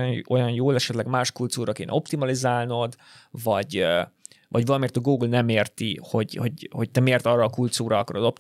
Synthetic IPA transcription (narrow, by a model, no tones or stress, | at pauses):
o̞jɒnjoːlɛʃɛt̪lɛɡmaːʃkult̪suːɾɒkeːnɛ̰o̞pt̪imɒlizaːlno̞d̪ | vɒɟ | vɒɟvɒlɒmeːrt̪ɛɡoːɡlnɛmeːrt̪iho̞ɟho̞ɟho̞c̚t̪ɛmeːrt̪ɒrːɒːkult̪suːɾɒɒkɒɾod̪o̞p̚t̪